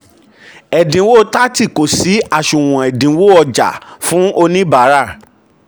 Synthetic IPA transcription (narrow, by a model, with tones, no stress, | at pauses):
ɛ˨dĩ˨˦wo˦˨˦ta˦ti˦˨ko˨si˨˦a˦˨ʃũ˨w̃ɔ̃˨ɛ˨dĩ˨˦wo˦˨ɔ˧d͡ʒa̰˨fũ˨˦o˧nĩ˦ba˨˦ɾa˦˨